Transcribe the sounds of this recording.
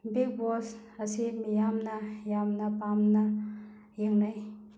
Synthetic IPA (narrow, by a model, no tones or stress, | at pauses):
biɡ̚bɔsɐsimijamnɐjamnɐpamnɐ | jeŋnaj